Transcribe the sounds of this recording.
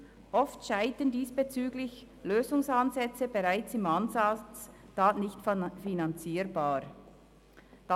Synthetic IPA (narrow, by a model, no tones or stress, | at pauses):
ʔɔftʃaɪtəndiːsb̥et͡syːɡlɪç | løːzʊŋsanzɛt͡səbeʁaɪt͡sɪmanzat͡staːtnɪçtffinant͡siːɾbaːɾ | d̥a